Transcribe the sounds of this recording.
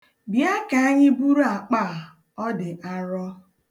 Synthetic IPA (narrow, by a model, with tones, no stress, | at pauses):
bja˦ka˨a˦ɲɪ˦bu˦ɾu˦a˨k͡pa˦˨ | ɔ˦dɪ˨ʔa˦ɾɔ˦